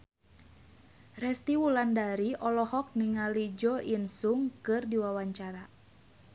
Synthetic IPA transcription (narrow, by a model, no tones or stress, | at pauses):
rɛst̪iwulandaɾiʔɔlɔhɔk̚niŋalid͡ʒɔʔinsuŋkɨrdiwawaɲt͡ʃaɾa